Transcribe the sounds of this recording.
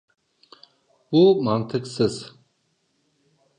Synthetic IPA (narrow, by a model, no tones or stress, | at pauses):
bumant̪ʰɨksɨz̥